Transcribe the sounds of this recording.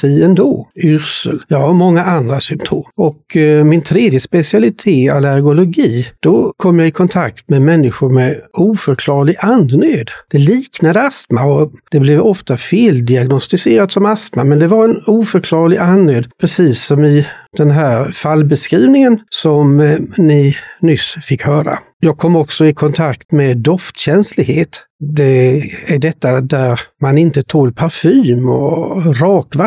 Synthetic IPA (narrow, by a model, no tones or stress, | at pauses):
t̪ʰiɛnd̪oːʏɾsə̰ljɑːhaɾmɔŋːaʔand̪ɾasʏmpt̪ʰoːmɔkmɪnt̪ʰɾeːd̪jəspɛsɪalɪt̪ʰeːalæɾɡʊlʊɡiːd̪̥ɔkʰɔmːjɑɡɪkʰɔnt̪ʰak̚t̪mɛmɛnːɪɧʊɾmɛuːfœɾkʰlɑːɭɪɡʔand̪nøːd̪d̪̥ɛliːknad̪əast̪maɔd̪̥ɛblɛvɔft̪afeːld̪ɪaɡnɔst̪ɪseːɾat̪sɔmast̪ma̰mɛnd̪ɛvaɾɛnuːfœɾkʰlɑːɾɭɪɡanːøːd̪pʰɾɛsiːsːɔmɪd̪̥ɛnɦæːɾfalːbɛskɾiːvnɪŋənsɔmnɪnʏsfɪkːhœːɾa̰ | jɑːɡ̚kʰɔmːɔksɔɪkʰɔnt̪ʰakt̪mɛd̪ɔft̪ɕɛnslɪɡheːt̪ | d̪ɛæɖɛt̪ːad̪æɾmanɪnt̪ət̪ʰoːlpʰaɾfyːmɔ̰ɾɑːkva